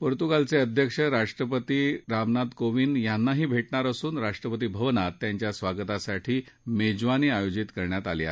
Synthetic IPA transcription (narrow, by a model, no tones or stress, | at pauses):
pəɾt̪ukalt͡seəd̪ʱjəkʂəɾaʂʈɾəpət̪iːɾamnad̪koʋiːnjanːaɦiːbʱeʈɳaɾəsuːnɾaʂʈɾəpət̪̬iːbʱəʋnat̪ːjaɲt͡ɕjasʋaɡt̪asaʈʰiː | med͡ʑʋaniːajod͡ʑit̪kəɾɳjat̪alia̰